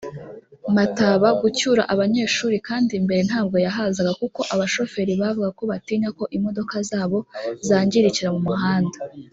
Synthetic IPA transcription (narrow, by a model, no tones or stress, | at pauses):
mataβaɡucuːɾaʔaβaɲe̞ːʃuːɾikaːndimbe̞ɾe̞n̥haːb̚ɡo̞jaɦazaɡakuko̞ʔaβaʃo̞fe̞ɾiβavuɡako̞βatiːɲako̞ʔimo̞do̞kazaːβo̞zaːɲɟiɾiciɾamumuɦaːndḁ